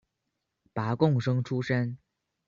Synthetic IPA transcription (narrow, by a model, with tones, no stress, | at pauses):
pa˧˥kʊ˥˩ŋʂɤ˥ŋʈ͡ʂʰu˥ʂə˥n